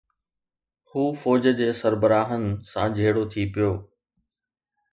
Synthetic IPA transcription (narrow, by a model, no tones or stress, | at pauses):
huːfɔːd͡ʑəd͡ʑeːsəɾbəɾaːɦənɪ̆sãd͡ʑʱeːɽot̪ʰipijoː